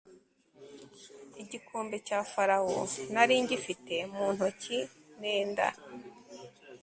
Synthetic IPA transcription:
iɟikʰuːmbecaːfaɾawo̰naɾiːɲɟifite̞muːn̥hoci | neːnda̰

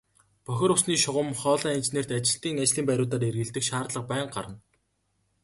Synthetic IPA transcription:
pœxʲɪ̆ɾʊsniːʃʊʁə̆mχɔːɮæːint͡ɕneːr̥t̪at͡ɕɪ̆ɬt̪iːŋat͡ɕɮiːmpæɾʲʊːt̪aːɾerɣɘ̆ɮt̪ɘ̆kʃaːrt̪ɮə̆q̚pæːɴɢa̰ɾə̆n

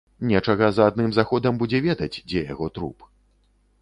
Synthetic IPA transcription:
nʲɛt͡ʂɐɣɐzɐaːd̪̚nɨmzaxɔd̪ɐmbud͡zʲɛvʲɛd̪ɐd͡zʲd͡zʲɛja̰ɣɔt̪ɾṵp

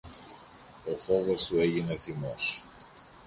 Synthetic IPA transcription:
o̞fo̞vo̞st̪ue̞ʝine̞θimo̞s

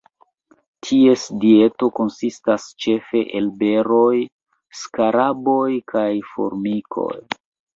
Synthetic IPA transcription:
tʰie̞sdie̞to̞ko̞nsistast͡ʃe̞fe̞ʔelbe̞ɾo̞j | skaɾabo̞jkʰajfo̞̰ɾmikʰo̞̰j

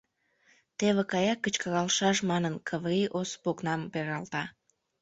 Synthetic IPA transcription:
t̪eβekɑjɑkːət͡ɕkəɾɑlʃɑʃmɑnənkʰəβɾiʔospoknɑmpeɾɑlt̪ɑ

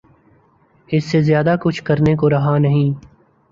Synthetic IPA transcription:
ɪsːezjaːd̪akʊt͡ʃʰkɐɾnek̬oɾɐɦanɐɦĩː

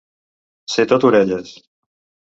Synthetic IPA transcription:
set̪ot̪uɾeʎes

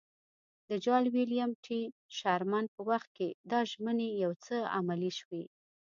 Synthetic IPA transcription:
d̪əd͡ʒɑlwilijamʈʰiʃɑɾmanpəwaxt̪̚ked̪ɑʒmənejawt͡səa̰maliʃwe

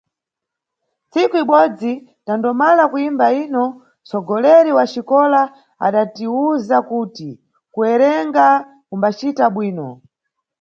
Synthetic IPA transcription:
nt͡sikuiɓɔd͡zi | tandɔmalakuimbainɔ | t͡sɔɡɔlɛɾiwat͡ʃikɔla | a̰ɗatiuzakuːti | kuɛɾɛŋɡa | kumbat͡ʃitaɓwiːnɔ

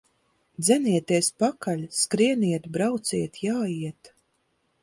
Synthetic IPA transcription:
d̪zʲɛniɛt̪iɛspakalʲskɾiɛniɛt̪bɾawt̪siɛt̪jaːjiɛt̪

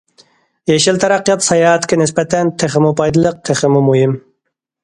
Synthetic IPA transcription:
jɛʃɪlt̪ʰɛɾɑqːijɑt̪sɑjɑːɛt̪kʲʰɛnɪspɛt̪ʰɛnt̪ʰeχɪmupɑjd̪ɨlˠəq̚t̪ʰɪχɪmumuɦɪm

